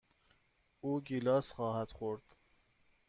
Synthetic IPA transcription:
uːɡilɒːsχɒːhæd̪̥xoɾd̪̥

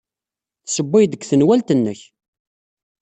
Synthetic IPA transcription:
θsəbːɪjd̪əɡʷθənwælt̪ənːəç

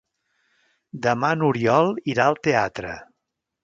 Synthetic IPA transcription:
d̪əmanuɾiɔlˠiɾaəlˠt̪eat̪ɾə̰

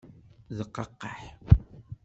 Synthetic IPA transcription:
ðəqːɑqːɑħ

